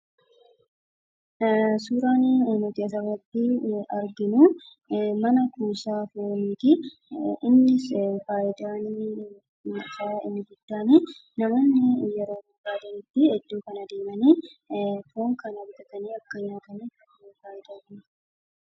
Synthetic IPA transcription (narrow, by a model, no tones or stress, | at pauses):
suːɾaːnnʊt̪ɪɐs̬ɐrɐt̪ːɪɐɾɡɪnʊ | mɐnɐkuːsaːfoːɾmiːt̪ɪ | ɪnːɪsfaːʔɪd̪aːnː | saːɪ̰nːɪɡʊd̪̥ːaːniːnɐmonːɪjɛɾo̞ːbɐɡaːd̪ɐnɪt̪ːɪɛd̪ːuːkɐnɐd̪e̞ːmɐniːfoːŋkɐnɐbd̪ɐt̪ɐniːɐkːɐɲːaːt̪ɐni | faːʔɪd̪aːni